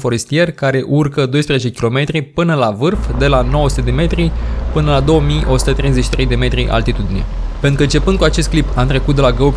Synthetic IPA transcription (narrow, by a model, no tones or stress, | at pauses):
fo̞ɾe̞st̪ie̞rkaɾe̞ʔurkəd̪o̞jspɾezet͡ʃe̞kʲilo̞me̞t̪ɾipɨnəlavɨrfd̪e̞lano̞wəsut̪e̞d̪eme̞t̪ɾipɨnəlad̪o̞wəmiʔo̞su̥t̪ət̪ɾe̞jzeʃi̥t̪ɾe̞jd̪e̞me̞t̪ɾiʔa̰lt̪it̪ud̪ine̞̰ | penɾukəɨnt͡ʃe̞pɨnd̪̚kuat͡ʃe̞st̪klipamt̪ɾe̞kut̪̚d̪e̞laɡə